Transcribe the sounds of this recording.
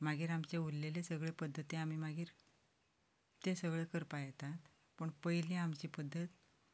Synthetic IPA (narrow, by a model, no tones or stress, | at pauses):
maɡiːɾamt͡ɕeulːelesəɡɭepəd̪ʱːət̪ẽam̤iːmaɡiːɾ | t̪esəɡɭekəɾpajt̪at̪ | pəɳpəjlẽamt͡ɕiːpəd̪ʱːət̪